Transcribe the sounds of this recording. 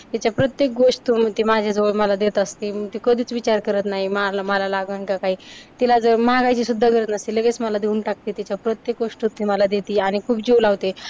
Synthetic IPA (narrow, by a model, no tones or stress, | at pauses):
t̪at͡ɕapɾət̪jek̚ɡoʂʈ̪umət̪imad͡ʑʱjad͡zəʋəɭməlad̪et̪əst̪iməɡt̪ikəd̪ʱiːt͡sʋit͡ɕaɾkəɾət̪naɦimalməlalaɡəɳkakaɦiːt̪ilad͡zəɾmaɡajt͡ɕiːsud̪ʱːakəɾət̪nəst̪iləɡet͡sməlad̪euːnʈak̚t̪et̪at͡ɕapɾət̪jek̚ɡoʂʈut̪ːiməlad̪et̪iːaɽ̃ikʰuːpd͡ʑiulaʋt̪e